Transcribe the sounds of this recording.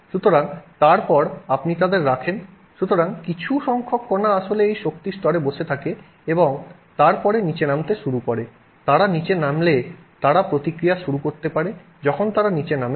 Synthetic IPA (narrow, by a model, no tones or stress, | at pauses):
ʃut̪oɾaŋt̪aɾpɔɾapnit̪ad̪eɾɾakʰen | ʃut̪oɾaŋkit͡ɕʰuʃɔŋkʰokːonaaʃoleejʃok̚t̪iɾst̪ɔɾeboʃet̪ʰake | eboŋ | t̪aɾpɔɾenit͡ɕenamt̪eʃuɾukoɾe | t̪aɾanit͡ɕenamlet̪aɾapɾot̪ikɾijaʃuɾukoɾt̪epaɾe | d͡ʑɔkʰont̪aɾanit͡ɕename